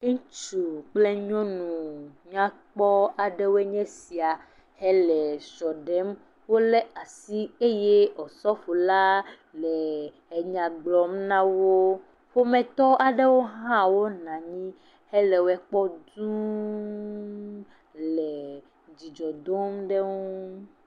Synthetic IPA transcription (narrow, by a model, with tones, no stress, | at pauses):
ŋũ˦t͡ʃu˨k͡ple˦ɲɔ̃˦nũ˨ɲã˦k͡pɔ˦a˨ɖe˦wo˦e˦ɲɛ̃˦si˨a˨ | hɛ˦lɛ˨sɔ˨ɖɛ˦m | wo˦le˦a˨si˦e˦je˦ɔ˨sɔ˦fo˨la˦ | lɛ˨ | e˨ɲã˨ɡ͡blɔ˨mnã˦wo˦ | ɸo˦mɛ̃˨t̪ɔ˦a˨ɖe˦wo˦ɦã˦wo˦nã˨ɲĩ˦ | hɛ˦lɛ˨wɛ˦k͡pɔ˦d̪ũ˦ | lɛ˨ | d͡ʑi˨d͡ʒɔ˨d̪o˦mɖe˦ŋuu˦